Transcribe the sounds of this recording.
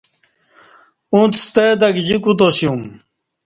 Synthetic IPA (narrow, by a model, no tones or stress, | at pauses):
ũt̪st̪ed̪ɐkd͡ʑikut̪osjum